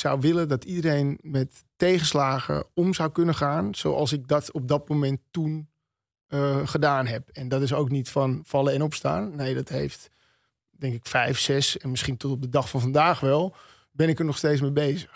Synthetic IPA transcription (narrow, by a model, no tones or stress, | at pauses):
sawʋɪlədɔtʰidəɾejnmɛtːejχəslaːɣə̰ɔmzawkɵnəχaːnso̰wʔɑ̰lˠs̬ɪk̚dɔtɔp̚dɔt̚momɛntːun | χədaːnɦɛpɛndɔtɪs̬owknitfɔnfɑlˠəɛnɔpsta̰ːnːejdɔtɦejft | dɛŋkɪkfɛjfsɛsɛnmɪsχintɔtɔp̚dədɑxfɔnfɑndaːxʋɛlˠ | bɛnɪkərnɔxsteːt͡ssmebejzəx